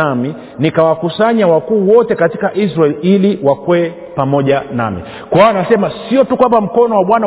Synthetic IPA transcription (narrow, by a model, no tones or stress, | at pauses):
ami | nikawakusaɲawakuːwɔtɛkatikaʔisɾaɛliliwakwɛ | pamɔʄana̰mḭ | kwawanasɛmasiɔtukwambam̩kɔnɔwaɓwana